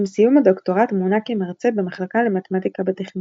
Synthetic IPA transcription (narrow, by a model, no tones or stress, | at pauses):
msijumad̪okto̞ʁat̪munakemaʁt͡sebemaχlakalemat̪emat̪ikabet̪eχni